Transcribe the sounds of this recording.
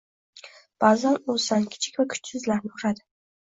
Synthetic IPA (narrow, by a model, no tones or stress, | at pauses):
b̥azanosankʲʰɪ̥t͡ʃʰɪ̥kʲvakʰʊ̥t͡ʃsɪzlaɾnɪkʰʊɾad̪ɪ